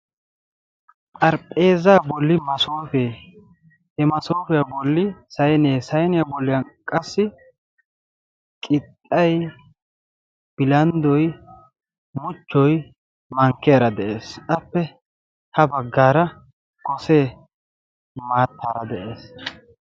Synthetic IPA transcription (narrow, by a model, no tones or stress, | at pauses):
pʼɐɾpʼeːzabɔlːɪmɐsoːfeː | hɛmɐso̞ːfɛjabɔlːɪsɐjneːsɐjnɪjabɔlːɪjɐnkʼɐsːɪ | kʼɪt̪ʼːɐj | b̥ɪlɐnd̪ɔj | mʊt͡ʃːɔj | mɐŋkːeːɾɐd̪ɛʔeːsʔɐpːɛ | hɐbɐɡːaːɾɐ | kɔseː | maːt̪ːaːɾɐd̪ɛʔeːs